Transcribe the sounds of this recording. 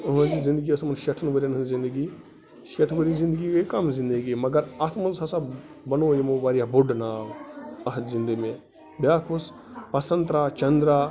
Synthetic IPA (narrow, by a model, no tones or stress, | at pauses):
ɦɐ̃nzizind̪əɡiɐsmɐnʃɐʈʰɐnɡɐɾʲenɦɐ̃zind̪əɡi | ʃɐʈʰʋɐɾizĩnd̪əɡikɐkɐmzind̪əɡimɐɡɐɾɐt̪ʰmɐnzɐsa | bɐnoːjimobaɾijaboɖnaːwɐɦzind̪əme | bʲjaːkʰus | pɐsɐnt̪ɾaːt͡ʃɐnd̪ɾaː